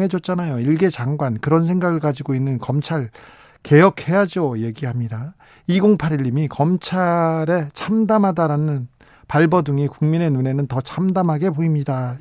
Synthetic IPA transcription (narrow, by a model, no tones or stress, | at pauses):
ɦe̞d͡ʑʌt̚t͡ɕ͈anajoiɭɡe̞t͡ɕaŋɡwankɯɾʌnsʰe̞ŋɡaɡɯɭkad͡ʑiɡoinːɯnkʌmt͡ɕʰaɭ | ke̞jʌkʰhe̞jad͡ʑoje̞ɡiɦamɲida | iɡoŋpʰaɾiʎːimikʌmt͡ɕʰaɾe̞t͡ɕʰamdamɦadaɾanɯn | paɭbʌdɯŋikuŋmine̞nune̞nɯntʌt͡ɕʰamdamɦaɡe̞poimɲida